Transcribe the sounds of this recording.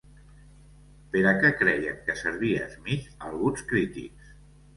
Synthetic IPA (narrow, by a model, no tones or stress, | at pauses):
peɾakɛkɾɛjə̰ŋkəsəɾβiə̰zmialˠɣunskɾit̪ḭks